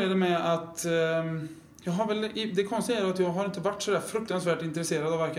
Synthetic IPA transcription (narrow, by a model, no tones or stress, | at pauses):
ɖ̪ɛmɛat̪ | jɑːɡɦaɾvɛlɪd̪ɛkʰɔnst̪ɪæːɾat̪jɑːɡɦaɾɪnt̪əvaʈːsɔd̪æːɾfɾɵk̚t̪ansvæːʈɪnt̪ɾɛseːɾad̪ɑvæɾkə